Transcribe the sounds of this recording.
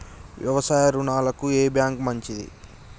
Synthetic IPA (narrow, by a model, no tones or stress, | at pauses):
ʋjɐ̰ʋɐsaːjɐɾunaːlɐkueːbjaːŋkmɐɲt͡ʃid̪ḭ